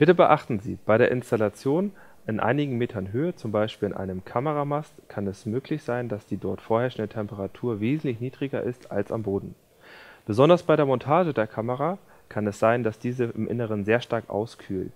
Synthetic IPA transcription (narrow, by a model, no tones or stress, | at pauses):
b̥ɪtəbəʔaχtn̩zḭːb̥aɪɾeːɐʔɪnstalat͡sjoːn | ʔɪnʔa̰ɪnɪɡŋ̩meːtʰɐnɦøːət͡sʊmbaɪʃpiːlɪnʔa̰ɪnəmkʰaməʁamastkʰanɛsmøːklɪçz̥aɪnd̥asd̥iːdɔɐtfoːɐhɛɐʃn̩dətʰɛmpəʁatʰuːɐveːzn̩tlɪçniːdʁɪɡɐʔɪsta̰lsa̰mboːdn̩ | b̥əzɔndɐsb̥aɪɾeːɐmɔntʰaːʒədeːɐkʰaməʁa | kʰanɛsz̥aɪndasd̥iːzəɪmʔɪ̰nəʁ̞ənzeːɐʃtaɐkʔa̰ʊskʰyːlt